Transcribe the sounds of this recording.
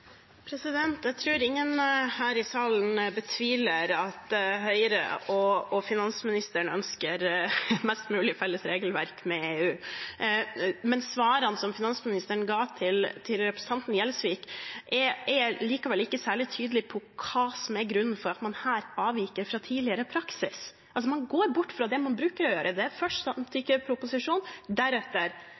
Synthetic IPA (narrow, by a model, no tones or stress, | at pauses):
pʰɾɛsɪd̪ɛnt̪jæt̪ʰɾʉːɾɪŋːənhæːɾɪsɑːln̩bət̪ʰʋiːləɾɑt̪ɦœʏɾə̰ɔɔfɪnɑnsmɪnɪst̪əɳəœnskəɾmɛst̪mʉːlɪfɛlːəsɾeːɡəlʋæɾkmɛeːʉː | mɛnsʋɑːɾɑnsɔmfɪnɑnsmɪnɪst̪əɳɡɑːt̪ʰɪlt̪ʰɪlɾɛpɾəsn̩t̪ʰɑnt̪njɛlsʋiːkʔɛɛliːkɑʋɛlːɪkːəsæːɭɪt̪ʰyːd̪əlɪpʰɔkʰɑːsɔmæɾɡɾʉnːfɔɾɑt̪mɑnhæːɾɑːʋiːkəɾfɾɑt̪ʰiːlɪəɾəpʰɾɑksɪs | ʔɑls̬ɔmɑnɡoːɾbʊʈːfɾɑd̪ɛmɑnbɾʉːkəɾɔjøːɾʔəd̪ɛæɾfœʂɑmt̪ʰɪkəpʰɾʊpʊsɪʂuːnd̪æɾɛt̪ːəɾ